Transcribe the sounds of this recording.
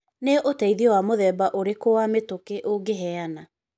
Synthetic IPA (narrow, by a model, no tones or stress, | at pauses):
neʔotaiðiɔwamoðɛbaʔoɾekowametokeʔoɡeɦɛana